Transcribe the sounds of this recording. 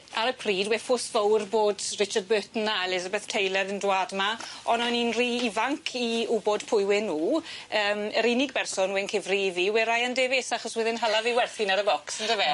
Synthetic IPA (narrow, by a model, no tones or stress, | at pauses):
aɾəpʰriːdwɛfʊsvəwrboːdrɪt͡ʃard̚bøːtn̩ːaɛlˠɪzabɛθtʰejlˠɛɾəndwaːdmaɔnɔninriːivaŋkʰiubod̥pʰʊɨwɪnuːəːməɾinɪɡ̚bɛrsɔnwɛnkʰɪvriviːwɛɾajandevesaχɔswɪðɪnɦalˠaviwɛrθɪnaɾəbɔksəndəvɛ